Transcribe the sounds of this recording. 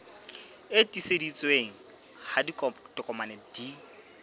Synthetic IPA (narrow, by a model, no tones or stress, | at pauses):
etʼisedit͡sʼweŋ̩ | hadikɔdɔkʼɔmanɛd̥i